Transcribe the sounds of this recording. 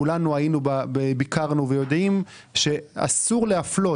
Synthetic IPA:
ulanuajinubabebikaʁnuvejo̞d̪im | ʃe̞a̰suʁleaflo̞

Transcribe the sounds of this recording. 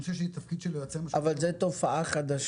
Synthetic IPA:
seʃeit̪ɐfkid̪ʃelojat͡semaavalzet̪o̞faʔaχad̪aʃ

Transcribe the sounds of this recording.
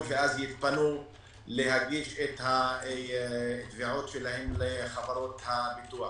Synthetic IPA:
veazjit̪̚panu | leɦaɡiʃet̪ha | t̪viʕot̪ʃelahemleχavaɾo̞t̪habit̪ua

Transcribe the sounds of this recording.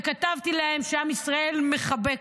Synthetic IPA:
katavt̪ilahe̞mʃeamisʁae̞lme̞χabe̞k

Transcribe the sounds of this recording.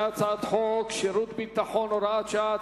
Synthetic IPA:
at͡sat̪hɔkʃeɾut̪bit̪ːaχɔnɔɾat͡ʃat̪

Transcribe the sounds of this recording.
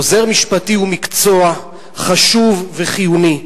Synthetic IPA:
oze̞ʁmiʃpatiumikt͡so̞a | χaʃuvːeχijuni

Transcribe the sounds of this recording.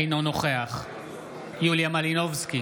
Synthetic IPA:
jnonoχeaχ | juljamalinovski

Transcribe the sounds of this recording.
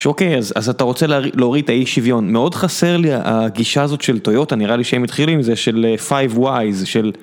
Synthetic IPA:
ʃokejaza̰zat̪aʁo̞t͡selileoʁid̪̚taiʃivjo̞nmeo̞dχase̞ʁliaʔa̰ɡiʃaːzo̞t̪ʃe̞lto̞jo̞taniʁaliʃehemit̪χilimzeʃe̞lefajvwajzʃe̞l

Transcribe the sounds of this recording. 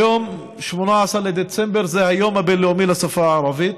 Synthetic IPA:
om | ʃmonaʕasɑɾled̪et͡sembeɾzehajomabelomilasafaʕːɾˤɑvit̪

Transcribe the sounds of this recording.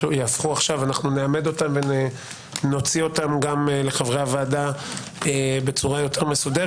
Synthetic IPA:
jafχuaχʃavanaχnuneame̞d̪o̞tamve̞n | no̞t͡sio̞tamɡamle̞χavʁeavaːda | ebe̞t͡suʁajo̞tʰe̞ʁme̞sude

